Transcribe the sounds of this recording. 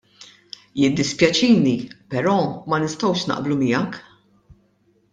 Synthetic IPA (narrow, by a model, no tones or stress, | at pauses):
jɪd̪ːɪspjɐt͡ʃiːnipɛɾɔːmɐnɪst̪ɔwʃnɐ̰ʔblumɪjɐk